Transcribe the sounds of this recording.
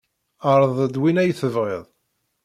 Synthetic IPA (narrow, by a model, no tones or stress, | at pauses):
aɾˤðˤd̪winæjθəvʁeðˤ